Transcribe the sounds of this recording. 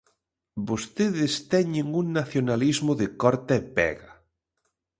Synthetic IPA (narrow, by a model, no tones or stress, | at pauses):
bost̪eðest̪ɛɲeŋuŋnaθjonalizmoðekɔɾt̪aepɛ̰ɣa